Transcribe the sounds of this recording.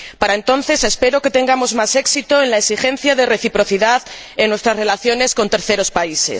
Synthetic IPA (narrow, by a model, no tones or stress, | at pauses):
paɾaent̪o̞n̟θe̞se̞spe̞ɾoket̪e̞ŋɡamo̞zmase̞ksit̪oenlaesixẽ̞n̟θjaðere̞θipɾo̞θiðað | eŋnwest̪ɾasre̞laθjo̞ne̞sko̞nt̪e̞ɾθe̞ɾo̞spaisḛs